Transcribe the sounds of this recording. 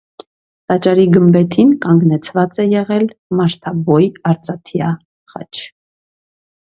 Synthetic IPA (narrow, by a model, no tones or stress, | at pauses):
t̪ɑt͡ʃɑɾiɡəmbɛt̪ʰinkɑŋɡnɛt͡sʰvɑt͡sɛjɛʁɛlmɑʃt̪ʰɑbɔjɑɾt͡sɑt̪ʰjɑ | χɑ̰t͡ʃʰ